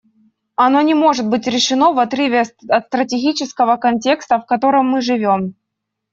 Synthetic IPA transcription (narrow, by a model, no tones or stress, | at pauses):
ɐno̞nʲɪmo̞ʐɨt̪̚bɨtʲɾʲɪʂɨno̞vɐt̪ɾɨvʲɪɐt̪st̪ɾətʲɪɡʲit͡ɕɪskəvəkɐnʲtʲe̞kst̪əfkɐt̪o̞ɾɨmːɨʐɨvʲo̞m